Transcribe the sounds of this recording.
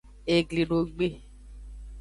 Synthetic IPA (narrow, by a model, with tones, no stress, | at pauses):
e˨ɡli˨ɖo˨ɡ͡be˦˨